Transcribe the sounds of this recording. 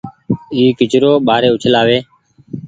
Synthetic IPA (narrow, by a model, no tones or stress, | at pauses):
iːkɪt͡ʃɾoːɓaːɾeːʊt͡ʃʰlaːʋeː